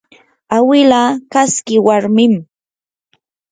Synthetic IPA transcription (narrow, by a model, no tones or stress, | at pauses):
awɪlakaskɪwaɾmɪm